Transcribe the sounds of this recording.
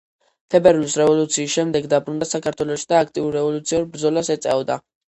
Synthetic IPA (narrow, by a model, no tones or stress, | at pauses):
t̪ʰɛbɛɾlisɾɛvɔlut̪sʰiːsʃɛmd̪ɛɡd̪abɾund̪asakʰaɾt̪ʰwɛlɔʃi̥d̪aːk̚ʰt̪ʼiuɾːɛvɔlut̪sʰiɔɾbɾd̪zɔlasɛt̪sʼɛ̰vɔd̪a̰